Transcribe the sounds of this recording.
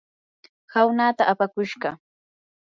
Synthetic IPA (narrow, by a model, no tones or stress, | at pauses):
hawnaːt̪aʔapakʊʃɢɑ